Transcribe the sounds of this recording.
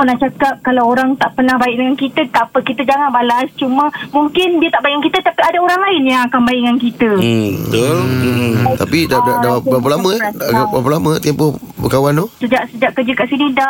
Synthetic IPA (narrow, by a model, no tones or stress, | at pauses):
pərnaht͡ʃakap̚kalawoɾaŋt̪aʔpərnahbaɪk̚dəŋankit̪ət̪apəkit̪əd͡ʒaŋanbalast͡ʃumə̃mũŋkɪndiət̪aʔbajŋaŋkit̪ət̪apiadaoɾaŋlaɪnjãakanbajŋankit̪əbt̪ol | t̪apidadadaapəlamə̃aapəlamə̃t̪empɔh | bəkawant̪osəd͡ʒaʔsəd͡ʒaʔkəd͡ʒəkaʔsinida